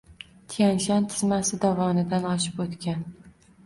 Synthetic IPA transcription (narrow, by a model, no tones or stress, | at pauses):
t̪ʰijanʃant̪ʰɪzmasɪd̪avɒnɪd̪anɒʃɪ̥pot̪kʲan